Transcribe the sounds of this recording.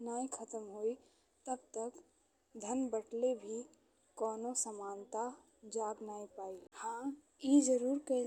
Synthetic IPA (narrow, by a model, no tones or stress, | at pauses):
naːĩkʰət̪əmɦoi | t̪əb̚t̪ək | d̪ʱənbəʈlebʱi | kɔːnosəmaːnt̪a | d͡ʒaːɡnaːĩpaːihã | id͡ʒəɾuːɾke